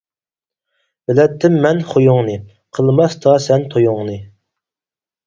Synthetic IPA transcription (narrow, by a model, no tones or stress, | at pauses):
bɪlɛt̪ʰːɪmːɛnχojuŋnɨ | qʰəlˠmɑst̪ʰɑsɛnt̪ʰojʊŋnɨ